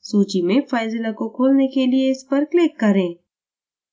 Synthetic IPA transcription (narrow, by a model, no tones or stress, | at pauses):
suːt͡ʃimẽfaːɪzɪlakokʰoːlnekelieɪspɐɾklɪkːɐɾẽː